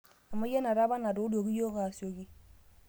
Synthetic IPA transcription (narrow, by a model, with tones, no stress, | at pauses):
a˨ma˦je˦na˨ɾa˦ba˦na˨du˨˦do˨ɡi˦jo˦ka˨so˨ki˦